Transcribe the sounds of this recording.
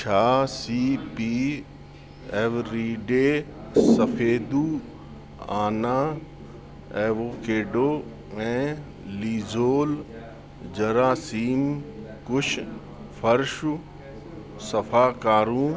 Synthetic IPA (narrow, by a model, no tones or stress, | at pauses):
t͡ʃʰaːsiːpiː | ɛːʋɾiːɖeːsɐfeːd̪uː | aːnaː | eːʋoːkeːɖoː | ɛ̃ː | liːzoːl | d͡ʑɐɾaːsiːm | kʊʃʰ | fɐɾʃʊ | sɐfaːkaːɾũː